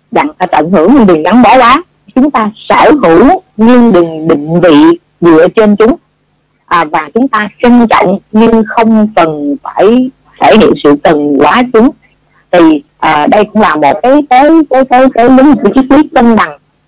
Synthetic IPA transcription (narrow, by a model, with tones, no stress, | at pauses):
ɗa̰˧˨ŋʔə˨˧˩ʔə˧˩nɦɨ˧˩əŋɲɨ˧ŋɗɨ˨˩ŋɣa˨˦ŋɓɔ˧˩˦kwaː˨˦ | t͡ɕʊ˨˦ŋ͡mt̪aː˧səː˧˩ɦɨ˧˩əwɲɨ˧ŋɗɨ˨˩ŋɗï˨ŋ̟vḭ˧˨ | ɗɨ̰˧˨ət͡ɕe˧nt͡ɕʊ˨˦ŋ͡m | ʔəː˨˩vaː˨˩t͡ɕʊ˨˦ŋ͡mt̪aː˧t͡ɕi˧ŋt͡ɕɔ̰˧˨wŋ͡mɲɨ˧ŋxə˧wŋ͡mkə˨˩nfaː˧˩j | t̪ʰe˧˩hḭ˧˨ənsɨ̰˧˨kə˨˩nkwaː˨˦t͡ɕʊ˨˦ŋ͡m | t̪ʰi˨˩ʔəː˨˩ɗə˧jkʊ̰˧˥ŋ͡mlaː˨˩mo˨˩t̚kaː˨˦jkəː˨˦jkaː˨˦jkaː˨˦jkaː˨˦jli˨˦ŋu˧˩˨t͡ɕi˦˥k̚t̪wi˦˥ət̚kə˧nɗa˨˩ŋ